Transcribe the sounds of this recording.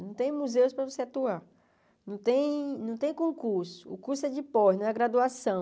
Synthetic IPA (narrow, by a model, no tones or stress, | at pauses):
nɐ̃w̃t̪ẽj̃muzeʊspɾɐvoseat̪ua | nɐ̃w̃t̪ẽj̃nɐ̃w̃t̪ẽj̃kõkuɾsʊ̥ʊkuɾsʊɛd͡ʒɪpɔnɐ̃ɛɡɾad̪uasɐ̃w̃